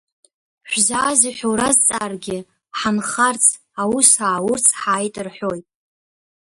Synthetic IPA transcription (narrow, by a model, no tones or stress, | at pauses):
ħʷzaːziħʷᶣowɾazt͡sʼaːrɡʲɪ | ħanχart͡sʰ | awusaːwʊrt͡sʰħaːjtʼɨrħʷojtʼ